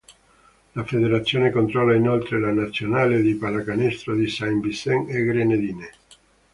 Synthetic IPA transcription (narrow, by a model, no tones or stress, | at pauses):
lafed̪eɾat̪sːjoːnekont̪ɾɔlːainolt̪ɾelanat̪sːjonaːled̪ipalakanest̪ɾod̪isajmbisɛŋeɡɾened̪iːne